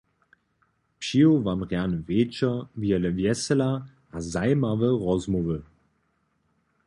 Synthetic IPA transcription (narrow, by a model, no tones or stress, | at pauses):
piːovaːmʁjanəveːt͡ʃɐviːɐləvjɛsəla | azaɪmavəʁɔzmovə